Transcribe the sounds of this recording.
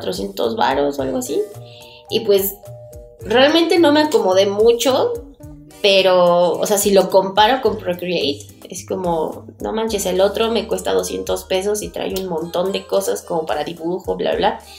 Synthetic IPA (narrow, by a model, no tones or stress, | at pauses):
t̪ɾo̞sje̞nt̪o̞̰zβa̰ɾo̞soalɣoasi | ipwe̞s | re̞almẽnt̪e̞no̞me̞ako̞mo̞ð̞e̞mut͡ʃo̞ | pe̞ɾoo̰seasilo̞ko̞mpaɾo̞ko̞mpɾokɾiejt̪ | esko̞mono̰mãnt͡ʃeselo̞t̪ɾo̞me̞kwe̞st̪aðo̞sje̞̰nt̪o̞spe̞s̬o̞sit̪ɾa̰junmõnt̪o̞nd̪e̞ko̞sasko̞mopaɾaðiβuxo̞bla̰βla